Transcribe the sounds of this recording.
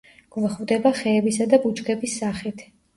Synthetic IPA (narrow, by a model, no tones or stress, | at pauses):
ɡ̥vɛχvd̪ɛbaχɛːbisad̪abut͡ʃkʰʼɛbisːaχit̪ʰ